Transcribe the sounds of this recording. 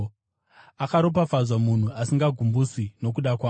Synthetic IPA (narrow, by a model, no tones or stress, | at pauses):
akaɾop̬afazwamun̤uasiŋɡaɡʱumbusino̞k̬uɗakwaː